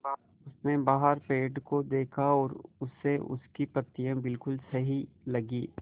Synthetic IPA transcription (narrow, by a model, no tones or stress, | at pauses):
ba | ʊsnẽbaːɦəɾpeːɖkod̪eːkʰaɔːɾʊsːeʔʊ̰skipɐt̪ːijãbɪlkʊlsɐɦilɐɡiː